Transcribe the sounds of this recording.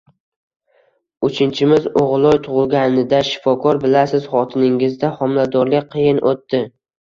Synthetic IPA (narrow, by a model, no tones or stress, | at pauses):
ʊt͡ʃʰɪnt͡ʃʰɪmɪzoʁlˠɒjt̪ʰʊʁʊlˠɡʲanɪd̪aʃɪ̥fɒkʰɒɾbɪlasɪzχɒt̪ʰɪnɪŋɪzd̪ahɒmlad̪ɒɾlɪk̚ʲqʰijɪnʔot̪ːɪ